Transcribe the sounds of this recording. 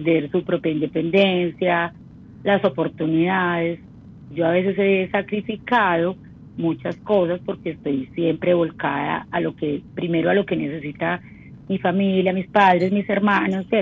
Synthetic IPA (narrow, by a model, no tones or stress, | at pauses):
d̪e̞ɾsupɾo̞pjaind̪e̞pe̞nd̪ensja | laso̞po̞ɾt̪uniðaðe̞s | d͡ʒo̞aβe̞s̬e̞s̬esakɾifikaðo̞ | mut͡ʃasko̞s̬aspo̞ɾkeːst̪o̞jsje̞mpɾe̞βo̞lkaða̰alo̞kepɾime̞ɾoalo̞ke̞ne̞s̬e̞sit̪a | mifamiljamispaðɾe̞smise̞ɾmãnose